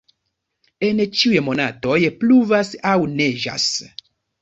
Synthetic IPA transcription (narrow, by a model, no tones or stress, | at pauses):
ent͡ʃiujemo̞na̰to̞jpluvasawneʒa̰s